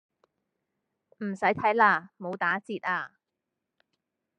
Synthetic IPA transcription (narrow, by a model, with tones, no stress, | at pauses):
m̩˨˩sɐ˨˥jt̪ʰɐ˨˥jlaː˧mo˨˧wt̪aː˨˥t͡siː˧t̚aː˧